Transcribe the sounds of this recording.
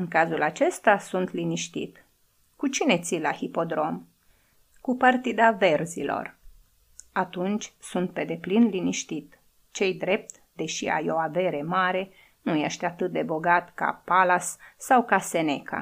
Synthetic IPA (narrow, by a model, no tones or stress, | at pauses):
ɨŋkazulat͡ʃe̞st̪asunt̪liniʃt̪ḭt̪ | kut͡ʃine̞t̪silahipo̞d̪ɾo̞m | kupart̪id̪ave̞rzḭlo̞̰r | at̪unt͡ʃʲsunt̪̚pe̞d̪e̞plinliniʃt̪it̪ | t͡ʃe̞jd̪ɾe̞p̚t̪ | d̪e̞ʃia̰jo̞ave̞ɾe̞maɾe̞ | nujeʃt̪ʲat̪ɨt̪̚d̪e̞bo̞ɡat̪ka̰palasːawkase̞ne̞ka̰